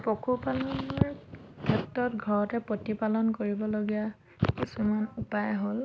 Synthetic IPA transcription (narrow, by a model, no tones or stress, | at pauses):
pokʰupalɔnɔɹɡʰʱɛptːɔtɡʱɔɹɔtɛpotipalɔnkoɹibɔloɡija | kisumanupajɦol